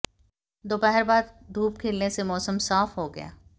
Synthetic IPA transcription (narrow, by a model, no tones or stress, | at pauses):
d̪oːbɛɦɛɾbaːd̪d̪ʱuːpkʰeːlnesemɔːsəmsaːfɦoɡɐ̰ja̰ː